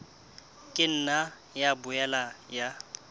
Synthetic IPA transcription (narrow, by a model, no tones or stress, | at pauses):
kʼɪn̩na | jabʊɛlaja